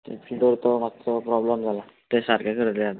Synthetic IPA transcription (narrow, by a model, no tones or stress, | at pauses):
t̪epʰiɖɔɾt̪ɔmat̪ɾɔpɾɔbləmd͡zʱala | t̪esaɾkakəɾd̪lɛad̪